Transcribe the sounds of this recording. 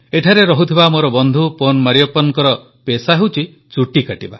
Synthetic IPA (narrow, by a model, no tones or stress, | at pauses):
eʈʰaɾeɾɔɦut̪ʰibamoɾɔbɔnd̪ʱuponmaɾijɔpɔnkɔɾɔ | pesaɦewt͡ʃʰi | t͡ʃuʈikaʈiba̰